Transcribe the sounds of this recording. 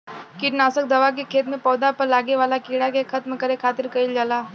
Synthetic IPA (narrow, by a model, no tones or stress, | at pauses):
kɪʈnaːsək̚d̪ɐʋak̬ekʰeːt̪mẽpɔːd̪apɐɾlaːɡeʋaːlakiːɽakekʰɐt̪mkɐɾekʰaːt̪ɪɾkɐild͡ʒaːlaː